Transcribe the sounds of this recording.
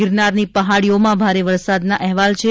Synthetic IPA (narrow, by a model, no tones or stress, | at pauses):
ɪɾnaɾnipəɦaɽijomãbʱaɾeʋəɾsad̪naʔɛɦʋalt͡ʃʰe